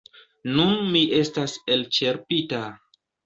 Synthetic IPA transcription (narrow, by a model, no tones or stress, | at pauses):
nunmiʔe̞stase̞lt͡ʃe̞ɾpita